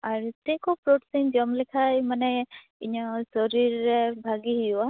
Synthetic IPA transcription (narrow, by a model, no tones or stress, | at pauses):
aɾt̪ekopɾoʈsind͡ʒɔmlekʰajmanɛ | iɲɔsɔɾiɾɛbʱaɡiɦijua